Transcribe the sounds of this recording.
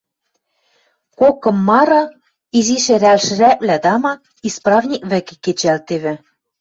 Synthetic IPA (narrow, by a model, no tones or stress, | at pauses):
kokɤ̆mːɑɾɤ̆ | iziʃĕɾælʃɘ̆ɾæplæd̪ɑmɑk | isprɑvnʲik̚βɘ̆ke̥kːet͡ɕælt̪eβɘ̆